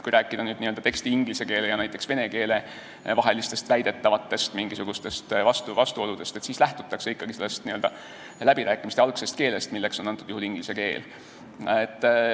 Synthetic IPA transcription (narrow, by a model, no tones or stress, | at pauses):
kujɾæːkːˑid̪̥ɑnyːd̪niø̞ld̪ɑt̪e̞kst̪iiŋɡ̥lise̞ke̞ːlejɑnæjt̪ːˑe̞ksve̞ne̞ke̞ːle̞ | vɑɦe̞list̪e̞st̪væjd̪̥e̞t̪ːɑvɑt̪ːe̞st̪miŋɡ̥isuɡ̥ust̪e̞st̪vɑst̪uvɑst̪uo̞lud̪̥e̞st̪e̞t̪siːslæht̪u̥t̪ːˑɑkseikːɑɡ̥iselːest̪niøld̪ɑ | læb̥iɾæːkːˑimist̪eɑlkse̞st̪̚ke̞ːle̞st̪milːe̞ksonɑnt̪ːˑud̪̥uhuliŋɡ̥lise̞ke̞̰ːl | et̪ːˑ